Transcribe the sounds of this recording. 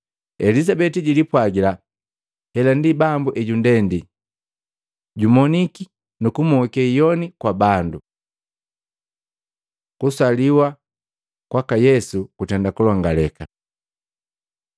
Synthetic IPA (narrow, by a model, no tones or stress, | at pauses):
ɛlizabɛtiɟilipwaɡila | hɛlandibambuʔɛɟundɛndi | ɟumɔniki | nukumɔkɛijɔnikwabandu | kusaliwa | kwakajɛsukutɛndakulɔŋɡalɛka